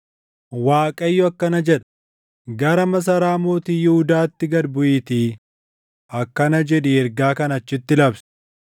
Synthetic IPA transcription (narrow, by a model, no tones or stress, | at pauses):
waːkʼɐjːɔɐkːɐnɐd͡ʒɛᶑɐ̥ | ɡɐɾɐmɐs̬ɐɾaːmoːt̪iːjɪhʊd̪aːt̪ːɪɡɐdbʊʔɪt̪iː | ɐkːɐnɐd͡ʒɛᶑɪɛɾɡaːkɐnɐt͡ʃːɪt̪ːɪlɐbs